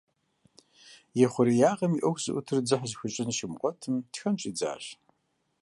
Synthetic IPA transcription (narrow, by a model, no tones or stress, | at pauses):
jɛχʷʊɾijaːʁɐmiʔɐxʷzɨ̰ʔʷʊtʰɨrd͡zɨħzxʷʊɕʼɪnʃɪmqʷʼɔtʰɨmtxɐmt͡ʃʼid͡za̰ːɕ